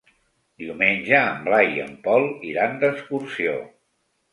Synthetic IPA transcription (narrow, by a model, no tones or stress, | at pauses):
d̪iumenʲʒəːmblajiə̰mpɔlˠiɾand̪əskursio̰